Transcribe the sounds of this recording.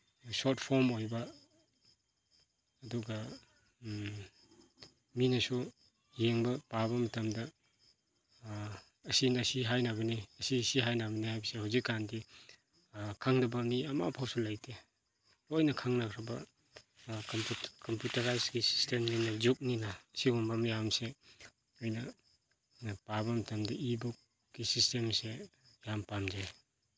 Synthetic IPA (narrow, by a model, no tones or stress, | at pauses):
sotpʰoɾmojbɐ | duɡɐ | minɐsu | jeŋbɐpaβɐmɐtɐmdɐ | ɐsinɐsiɦajnabɐniɐsisiɦajnabɐnihajbɐsihawzikːandi | kʰaŋnɐbɐmiɐma̰pʰawsulajtʰe | ojnɐkʰaŋnakʰɾɐbɐ | kkɐmpjutɐɾajsɡisi̥stemninɐd͡ʒuk̚ninɐːsiɡɔmbamjamse | ojnɐ | pabɐmɐtɐmdɐibuk̚ | ɡisistemse | jampamd͡ʒa